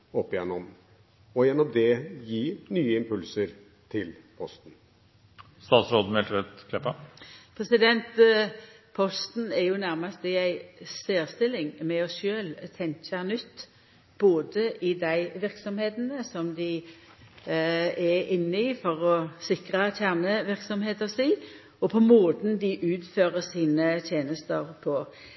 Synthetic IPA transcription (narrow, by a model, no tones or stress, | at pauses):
ɔpːɪjɛnːɔm | ɔjɛnːɔmd̪ɛjiːnyːəɪmpʰʉlsəɾ | t̪ʰɪlpʰɔst̪n̩ | st̪ɑːt̪sɾoːd̪n̩hɛlt̪ɾɛt̪kʰlɛpɑpʰʁɛsɪd̪ɛnt̪ | pʰɔst̪nɛɾjʊnæʁmɑst̪ɪæɪseːɾst̪ɪlɪŋmɛɔsʃøːlt̪ʰɛŋt͡ʃɑnʏt̪ː | b̥oːd̪əʔɪd̪æɪʋɪɾksɔmheːt̪ənəsɔmd̪ɪ | ɛɪnːəɪfɔʁɔsɪkʁɑt̪ʰæʁnəʋɪʁksɔmheːt̪əsiː | ɔpʰɔmoːt̪nd̪ɪʔʉːt̪føːʁəsiːnət̪ʰjeːnəst̪əʁpʰɔ